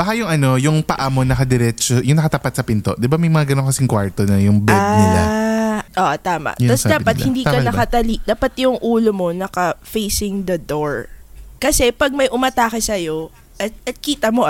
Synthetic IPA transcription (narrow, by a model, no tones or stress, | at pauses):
b̥ɐkajʊŋʔɐno̞jʊŋpɐʔamo̞nɐkɐd̪ɛɾɛt͡ʃojʊŋnɐkɐt̪ɐpat̪̚sɐpɪnt̪o̰ʔd̪ɪbamɐjmɐŋaɡɐnonkɐsɪŋkwaɹt̪onɐjʊŋbɛd̪nɪla̰ʔoːʔt̪aːma̰ʔ̪ɐsd̪aːpɐt̪hhɪnd̪iːkɐnɐkkɐt̪ɐlid̪aːpɐt̪jʊŋʔuːlomo̞nɐkɐfejsɪŋd̪ɐd̪oɹkɐsɛpɐɡ̚mɐjʔʊmɐt̪aːkɐsɐjo̞ | ɐɐt̪̚kiːt̪ɐmo